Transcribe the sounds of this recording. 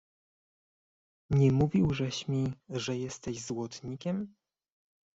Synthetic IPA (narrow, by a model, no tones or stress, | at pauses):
ɲɛmuvʲiwʐɛɕmʲiʐɛjɛst̪ɛʑzwɔt̪ɲikʲɛm